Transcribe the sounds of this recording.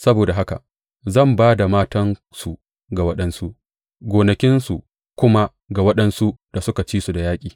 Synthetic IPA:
sɐ˦boː˨da˨ɦa˦ka̰˨ | zɐ˦˨mbaː˦da˨maː˦tɐ˦n | su˨ | ɡa˨wɐ˦ɗɐ˦nsu˦ʔ | ɡʷoː˨nɐ˨kʲɪ˦nsu˨ʔ | kʷʊ˦ma˦ | ɡa˨wɐ˦ɗɐ˦nsu˦d̥a˨sʊ˦ka˨t͡ʃiː˦su˨da˨jaː˦kʲʼiː˨

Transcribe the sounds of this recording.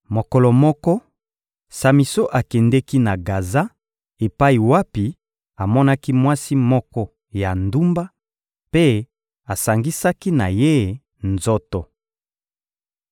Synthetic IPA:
mo˨kɔ˨lɔ˨mɔ˦kɔ˦ | sa˨mi˨so˦ʔa˨kɛ˨ndɛ˦ki˦na˨ɡa˨za˦ | e˨pa˦i˨wa˦pi˨ | a˨mɔ˦na˦ki˦mwa˦si˦mɔ˦kɔ˦ | ja˨ndu˦mba˦ | pe˦ | a˨sa˨ŋɡi˦sa˦ki˦na˨je˦ | nzo˦to˨

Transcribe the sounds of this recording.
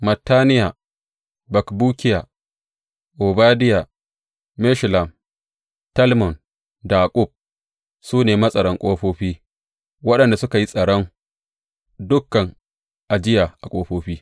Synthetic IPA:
mɐ˨tːaː˦nɪ˦ja˨ | bɐ˨kbuː˦kʲɪ˦ja˨ | ʔo˨baː˦dɪ˦ja˨ | mɛ˦ʃla˨m | tɐ˦lmɔ˨n | daː˨kʼʊ˦˨b̚ | suː˦neː˨mɐ˦sʼɐ˨ɽɔ˦ŋkʷʼoː˦ɸoː˦ɸiː˦ | wɐ˦ɗɐ˨nda˨sʊ˦ka˨ji˦sʼɐ˨ɽɔ˦ŋ | dʊ˦kːɐ˨ŋ | ʔa˨d͡ʒɪ˦ja˨ʔa˨kʷʼoː˦ɸoː˦ɸiː˦

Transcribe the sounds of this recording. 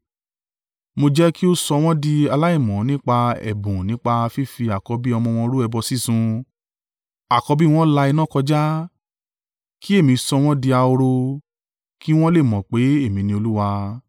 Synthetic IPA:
mo˧d͡ʒɛ˦ki˦o˦sɔ˧w̃ɔ̃˦di˧a˧la˦i˦˨mɔ̃˨˦nĩ˦k͡pa˧ɛ̰˨bũ˨nĩ˨˦k͡pa˧fi˦fi˧a˨kɔ˨˧˦bi˦ɔ˧mɔ̃˧w̃ɔ̃˧ɾu˦ɛ˧bɔ˧si˦sũ˧ | a˨kɔ˧bi˦w̃ɔ̃˦la˧i˧nã˦˨kɔ˧d͡ʒa˦ | ki˦e˦˨mĩ˨˧sɔ˧w̃ɔ̃˦di˧a˧o˧ɾo˧ | ki˦w̃ɔ̃˦le˦˨mɔ̃˨k͡pe˨˦e˦˨mĩ˨˧nĩ˧o˧lu˦wa˧

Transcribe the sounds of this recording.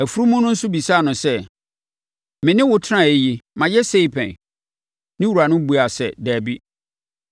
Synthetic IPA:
æ˨fu˦ɾu˦mʊ̃˦nʊ̃˦n̩˦sʊ˦bi˨saː˦˨nʊ̃˨sɛ˦ | mɪ̃˨nɪ̃˦wʊ˨tʰɪ˦ã˦˨e˨˦ji˦mã˨jɛ˦se˦i˨pʰɛ̰̃˨n | nɪ̃˦wu˨ɾa˨nʊ̃˦bu˨a˨sɛ˨dæː˨bi˦

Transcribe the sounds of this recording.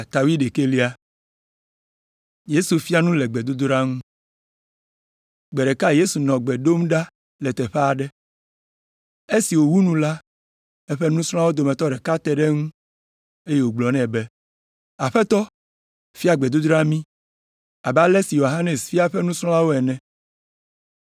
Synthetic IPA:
t̪a˨wi˦ɖe˨ke˦li˦a˦ | je˦su˨fi˦a˦nũ˦lɛ˨ɡ͡bɛ˨d̪u˦d̪ɾa˦ŋũ˦ | ɡ͡bɛ˨ɖɛ˨ka˦je˦su˨nɔ̃˨ɡ͡bɛ˨ɖo˦mɖa˦ | lɛ˨t̪ɛ˨ɸɛ˦a˨ɖɛ˦ | e˦si˨wo˨wu˦nũ˦la˦ | ɛ˦ɸe˦nũ˦sɾ̃ɔ̃˦a˦wo˦d̪o˨mɛ̃˨t̪ɔ˦ɖɛ˨ka˦t̪ɛ˦ɖɛ˦ŋũ˦ | e˦je˦˨wo˨ɡ͡blɔ˨nɛ̃˨bɛ˦ | a˨ɸɛ˦t̪ɔ˦ | fi˦a˨ɡ͡bɛ˨d̪u˦d̪ɾa˦mĩ˦ | a˨ba˦lɛ˦si˨jo˨ɦa˦ne˨sfi˦a˦ɸɛ˦nũ˦sl̃ɔ̃˦la˦wo˦ɛ˨nɛ̃˨

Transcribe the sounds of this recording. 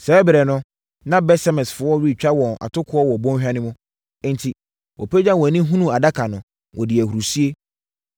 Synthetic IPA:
sɛ˨˦bɪ˨ɾɛ˨nʊ̃˦ | nã˦bɛ˦sa˦mɛ̃˨sfʊ˨ɔ˦ɾi˦˨t͡ɕᶣa˦wɔ̃˨na̰˨tʰʊ˦kʰʊ˦ɔ˦wɔ˨bɔ̃˦nᶣa˦nɪ̃˦mʊ̃˦ | n̩˨tʰi˨ | wʔɔ̰˨pʰe˦d͡ʑã˦wɔ˨nĩ˦ɦũ˦nũ˦a˨da˦kʰa˨nʊ̃˨ | wɔ˨dɪ˨æ˨hu˨ɾu˨si˦e˦

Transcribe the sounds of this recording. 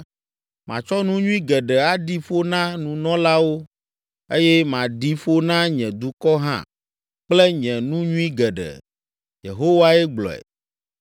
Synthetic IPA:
mã˨t͡ʃɔ˦nũ˦ɲũ˦ĩ˦ɡɛ˨ɖɛ˨a˦ɖi˦fo˦nã˦nũ˨nɔ̃˦la˦wo˦ | e˦jɛ˦mã˨ɖi˦fo˦nã˦ɲɛ̃˨d̪u˦kɔ˦ɦã̰˦˨ | k͡ple˦ɲɛ̃˨nũ˦ɲũ˦ĩ˦ɡɛ˨ɖɛ̰˨ | jḛ˨ɦo˦wa˦ɛ˦ɡ͡blɔ̰˨ɛ̰˨

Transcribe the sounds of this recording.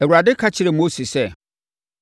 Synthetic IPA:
ɛ˨wu˨ɾa˨dɪ˦kʰa˦t͡ɕʰɪ˦ɾɛ˨mo˦si˨sɛ˦˨

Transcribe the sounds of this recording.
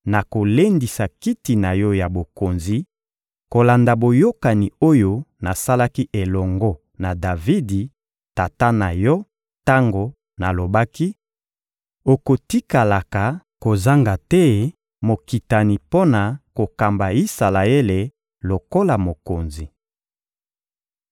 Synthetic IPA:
na˨ko˨le˦ndi˨sa˨ki˦ti˨na˨jɔ˦ja˨bo˨ko˨nzi˨ | ko˨la˨nda˨bo˨jo˦ka˨ni˨o˦jo˦na˨sa˦la˦ki˦ʔe˨lɔ˨ŋɡɔ˦ | na˨da˨vi˦di˨ | ta˨ta˦na˨jɔ˦ | ta˦ŋɡo˨ | na˨lo˨ba˦ki˦ | o˨ko˨ti˦ka˨la˨ka˨ko˨za˦ŋɡa˨tɛ˦ | mo˨ki˨ta˨ni˨po˦na˨ko˨ka˨mba˨i˦sa˨la˨e˦le˨ | lo˨ko˦la˨mo˨ko˨nzi˨

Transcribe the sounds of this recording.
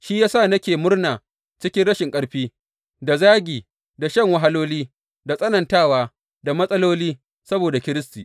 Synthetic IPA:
ʃi˦jaː˦sa˦˨nɐ˦kʲeː˨mʊ˦rnaː˨ | t͡ʃɪ˦kʲɪ˦ɽɐ˦ʃɪ˨ŋkʼɐ˦ɽɸiː˦ | da˨zaː˦ɡʲiː˨ | da˨ʃɐ˦˨ŋwɐ˦ɦa˦loː˦liː˦ | da˨sʼɐ˦nɐ˨ntaː˦˨waː˨˦ | da˨mɐ˦sʼɐ˦loː˦liː˦ | sɐ˦boː˨da˨kʲɪ˦ɾɪ˦stiː˨

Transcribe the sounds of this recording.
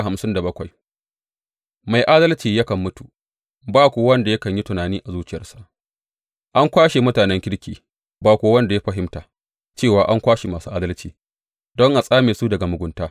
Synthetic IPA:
ha˨msɪ˦nda˨bɐ˦kʷa˨j | ma˨jʔaː˦dɐ˦lt͡ʃiː˨jɐ˦kɐ˨mːʊ˦tu˨ | baː˦kʷo˨wɐ˦nda˨jɐ˦kɐ˨ɲji˦tʊ˨naː˨niː˦ʔa˨zuː˦t͡ʃɪ˦˨jɐ˦rsa˨ʔ | ʔa˦ŋkʷaː˦ʃe˨mʊ˦taː˨nɛ˦ŋkʲɪ˦ɽkʲʰiː˨ | baː˦kʷoː˨˦wɐ˦nda˨ja˦ɸɐ˦ɦɪ˦mtaː˨ | t͡ʃeː˦˨waː˨ʔa˦ŋkʷaː˦ʃe˨maː˨suː˦ʔaː˦dɐ˦lt͡ʃiː˨ | dɔ˦ŋʔa˨sʼaː˦meː˨su˦dɐ˨ɡa˨mʊ˨ɡʷʊ˦ntaː˦

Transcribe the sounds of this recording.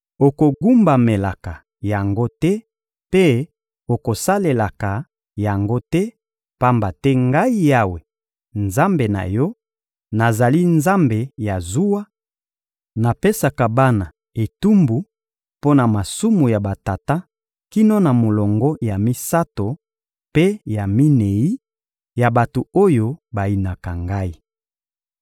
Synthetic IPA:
o˨ko˨ɡu˦mba˨me˨la˨ka˨ | ja˨ŋɡo˦tɛ˦ | pe˦ | o˨ko˨sa˦le˨la˨ka˨ | ja˨ŋɡo˦tɛ˦ | pa˦mba˨tɛ˦ŋɡa˦i˦ja˦we˨ | nza˦mbe˨na̰˨jɔ˦ | na˨za˨li˦nza˦mbe˨ja˨zu˦wa˦ | na˨pe˦sa˨ka˨ba˦na˨ | e˨tu˦mbu˨ | po˦na˨ma˨su˦mu˨ja˨ba˨ta˨ta˦ | ki˦no˦na˨mo˨lɔ˨ŋɡɔ˦ja˨mi˦sa˦to˨ | pe˦ja˨mi˦ne˨i˦ | ja˨ba˨to˨o˦jo˦ba˨i˨na˨ka˨ŋɡa˦i˦

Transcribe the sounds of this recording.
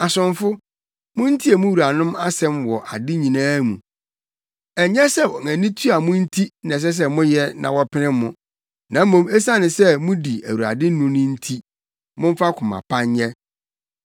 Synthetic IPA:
a˨sʊ̃˨ɱfʊ˦ | mʊ̃˦n̩˦tʰi˦e˨mʊ̃˦wu˨ɾa˨nʊ̃˦ma˦sɛ̃˦mwɔ˨ʔa˨dɪ˦ɲĩ˨nãː˦mṵ̃˨ | ɛ˨ɲɛ˦sɛ˦wɔ˨ŋæ̃˨nĩ˦tʰu˦a˨mʊ̃˦n̩˦tʰi˦nɛ̃˨s̬ɛ˦s̬ɛ˦mʊ̃˦jɛ˦nã̰˨wɔ˦pʰɪ˦nɪ̃˦mːʊ̃˦˨ | nã˨m̩˦mõ˨mɛ˦sã˦nɪ̃˨sɛ˦mʊ̃˦di˨æ˨wu˨a̰˨dɪ̃˦nʊ̃˦nʊ̃˦n̩˦tʰi˦ | mʊ̃˦ɱ˦fa˦kʰʊ̃˨mã̰˨pʰã˦ɲɲɛ˦

